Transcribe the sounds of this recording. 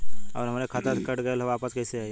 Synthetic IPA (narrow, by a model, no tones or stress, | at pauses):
ɔ̰ːɾɦɐmaːɾekʰaːt̪ət̪kəʈɡəelʋaːpəskɛɪseaːe